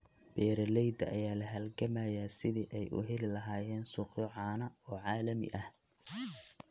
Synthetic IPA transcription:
b̥ɛːɾɐlɛjd̪ɐ̰ʔɐjaːlɐɦɐlɡɐmɐjasɪðiːʔɛjʔʊ̰ɦɛlɪlɐɦaːjɛːnsʊːqjɔʕɑːnɐɔːʕɑːlɐmɪ̰ʔɐh

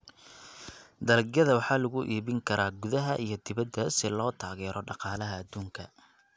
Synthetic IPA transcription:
d̪ɐlɡjɐðɐwɑħɑːlʊɣʊʔiːβɪŋkʰɐɾaːɡʊðɐɦɐʔijɞd̪ɪβɐd̪ːɐsɪlɔːt̪ʰaːɣɛːɾʔɔɖɑqɑːlɐɦɐːd̪uːŋkʰɐ

